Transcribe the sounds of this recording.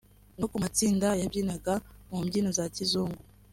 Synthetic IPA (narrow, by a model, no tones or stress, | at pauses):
nokumat͡siːndajabjiːnaɡamumɟiːnozacizuːŋɡu